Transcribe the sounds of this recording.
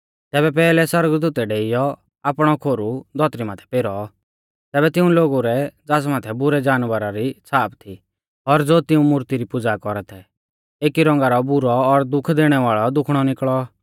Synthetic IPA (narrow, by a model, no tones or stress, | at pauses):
t̪ɛːbɛpɛːlɛsɔɾəɡd̪uːt̪ɛɖeːɪjɔ | aːpɽ̃ɔkʰoːɾud̪ʱɔt̪ɾimaːt̪ʰɛ̥peɾɔ | t̪ɛːbɛt̪ɪũloːɡuɾɛd͡zaːsmaːt̪ʰɛbʊɾɛd͡ʒaːnʋəɾaɾit͡sʰaːpʰt̪ʰi | ɔɾd͡zoːt̪ɪũmʊɾt̪iɾipʊd͡zakɔɾɛt̪ʰɛ | eːkiɾɔ̃ŋ̆ɡaɾɔbʊɾɔːɾd̪ʊkʰd̪eːɽ̃ɛʋaːɭɔd̪ʊkʰɽ̃ɔnɪkɭɔ